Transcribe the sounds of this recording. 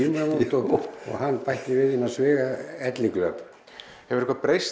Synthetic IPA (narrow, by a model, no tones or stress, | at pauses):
imamunt̪ɔɣɔ̰ɣhanːpajht̪ɪvɪðhinːasvɪːɣaɛt̪lɪŋklœ̰ːp | hɛvʏɾɪ̥hkvapɾejs